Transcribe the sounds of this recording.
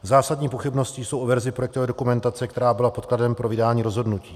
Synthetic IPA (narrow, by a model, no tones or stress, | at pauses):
zaːsadɲiːpoxɪbno̞scɪjsowʔovɛɾzɪpɾojɛkt̪ovɛːdo̞kumɛnt̪at͡sɛkt̪ɛɾaːbɪlapo̞t̪kladɛmpɾo̞vɪdaːɲiːɾo̞zɦo̞dnuciː